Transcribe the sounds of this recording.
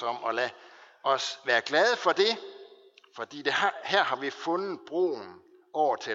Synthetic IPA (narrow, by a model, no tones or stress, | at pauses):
ɒ̽m̰ɒlæ | ʔɒ̽sʋæːɐɡ̥lɛðˠfɒ̽d̥e̝ | fɒ̽d̥ḭːd̥e̝hæɐ̰hɑ̈ʋifɔ̽nð̩ˠb̥ʁo̝̰ːn | ʔɒʊ̰ɐt͡sʰe